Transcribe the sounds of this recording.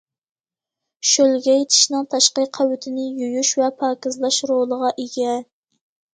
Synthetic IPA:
ʃølɡʲɛjet̪ʰɪ̥ʃnɨŋt̪ʰɑʃqəqʰæwyt̪ʰɪnɪjujuʃvɛpʰɑːkʲɪzlˠɑʃɾolˠəʁɑʔeɡʲɛ

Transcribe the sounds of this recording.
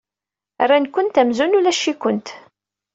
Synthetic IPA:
rːankʷːʊnt̪æmzunulæʃːikʊnt̪

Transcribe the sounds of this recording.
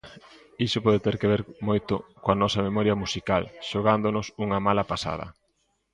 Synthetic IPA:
isʊpɔðet̪eɾkeβeɾmojt̪ʊ̰koanɔsɐmemɔɾjɐmusikalʃoɣand̪onʊsuŋɐmalɐpasa̰ð̞ɐ̰

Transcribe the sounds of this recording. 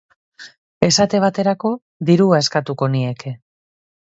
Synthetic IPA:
e̞sat̪e̞β̞at̪e̞ɾako̞ | ðiɾuae̞skat̪uko̞nie̞ke̞

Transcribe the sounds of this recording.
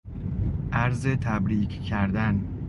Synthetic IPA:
ʔæɾzet̪ʰæbɾiːcʰcʰæɾd̪æn

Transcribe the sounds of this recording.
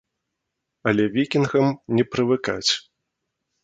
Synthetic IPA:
ɐlʲɛvʲikʲinɣɐmnʲɛpɾɨvɨka̰t͡sʲ

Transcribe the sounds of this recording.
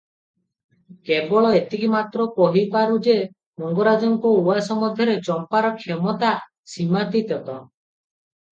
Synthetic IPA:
kebɔɭɔet̪ikimat̪ɾɔkɔɦipaɾud͡ʒe | mɔŋɡɔɾad͡ʒɔŋkuuasɔmɔd̪ʱjɔɾet͡ʃɔmpaɾɔkʰemɔt̪a | simat̪it̪ɔt̪ɔ

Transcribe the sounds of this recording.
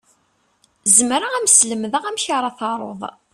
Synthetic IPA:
zəmɾaæmsləməðəʁæmçaɾˤɑθɑɾˤo̰ðˤ

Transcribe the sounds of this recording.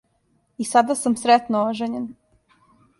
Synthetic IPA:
isad̪asamsɾet̪nooʒeɲen

